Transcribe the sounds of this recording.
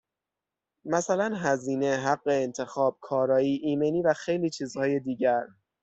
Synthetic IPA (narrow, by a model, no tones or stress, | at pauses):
mæsælænɦæziːne̞ɦæɢːeːnt̪ʰe̞xɒːb̥̚kʰɒːɾɒːiːʔiːmeniːvæxejliːt͡ʃʰiːzhɒːje̞d̪iːɟæɾ